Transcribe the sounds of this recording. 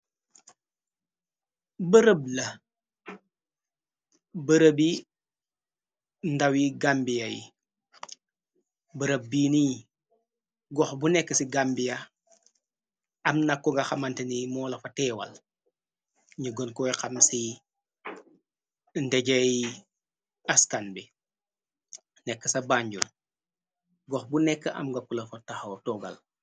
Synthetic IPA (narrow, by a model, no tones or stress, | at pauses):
bəɾəb̚lɐ | bəɾəbi | ndɐwiɡambijɐjḭ | bəɾəb̚biːni | ɡɔxbunɛkːəsiɡambijɐ | ɐmnɐkːɔŋɡɐxɐmɐntɐnimɔːlɐfɐtɛːwɐ̰l | ɲuɡɔnkɔːjxɐmsi | ndɛɟɐj | ɐskanbi | nɛkːəsɐbaɲɟun | ɡɔxbunɛkːəʔɐ̰mɡɐkːulɐfɐtɐxɐwtɔːɡɐ̰l